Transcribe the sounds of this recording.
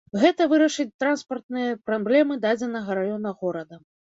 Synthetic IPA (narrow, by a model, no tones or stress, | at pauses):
ɣɛt̪ɐvɨɾɐʂɨt͡sʲt̪ɾanspɐrt̪̚nɨjɐpɾablʲɛmɨd̪ad͡zʲɛnɐɣɐɾajɔnɐɣɔɾɐd̪ɐ